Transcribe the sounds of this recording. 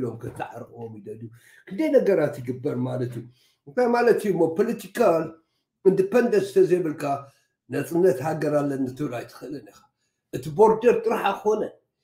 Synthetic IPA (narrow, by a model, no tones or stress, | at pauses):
lo̞mkʰɐt̪ʰɨʕa̰ɾkʼwomid̪ɐd̪u | kʰɨnd̪ɐjnɐɡɐɾat̪jɨɡɨbːɐɾmalɐt̪ju | ɨnt̪ʰajmalɐt̪jɨmːopʰolɐt̪ʰikʰal | ɨnd̪ɨpʰɐnd̪ɐsɨ̥t̪ʰɐzeβɨlkʰa | nɐt͡sʼɨnːɐt̪haɡɐɾalːɐnːɨt̪ʰɨβɾajt̪ʰɨ̥xɨlɨnixḁ | ʔɨt̪ʰibo̞ɾd̪ɐɾt̪ʼɨɾħakɨxo̞nɐ